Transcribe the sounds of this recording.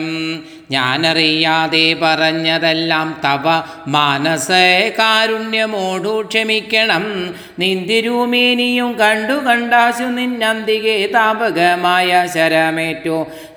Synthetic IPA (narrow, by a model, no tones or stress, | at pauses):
m | ɲa̰ːnɐrijaːðeːpɐrɐɲːɐðelːaːmt̪ɐʋɐ | maːnɐsɐkaːɾuɳjɐmoːɖuːkʂɐmikʲːɐɳɐm | nind̪jiɾuːmeːnijumkɐɳɖukɐɳɖaːɕunːinɐnd̪iɣet̪aːbɐɡɐmaːjɐɕɐɾɐmeːtːoː